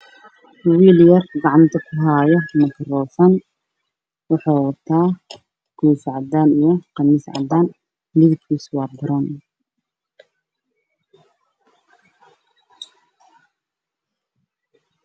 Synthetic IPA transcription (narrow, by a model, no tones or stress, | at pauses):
wiːljɐrɡɑʕɑnt̪ʰɐkʰʊɦaːjɔmɐt̪ʰɐrɔːfɐn | wɑħɑːwɑt̪ʰːaː | kʰuːsʕɑd̪aːnijɔqɑmɪsʕɑ̰d̪aːn | lɪðɪkkʰiːswɑːbʊɾɐːn